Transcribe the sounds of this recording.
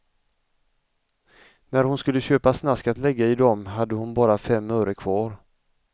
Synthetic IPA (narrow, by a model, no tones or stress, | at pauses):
næɾhʊnskɵlːəɕøːpasnaskat̪lɛɡːaɪd̪ɔmɦad̪ːəhʊnbɑːɾafɛmːœːɾəkʰv̥ɑːɾ